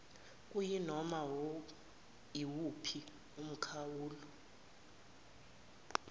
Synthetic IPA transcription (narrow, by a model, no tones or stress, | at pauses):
kʼujinɔmawo | iwupʰi | um̩kʰawuːlu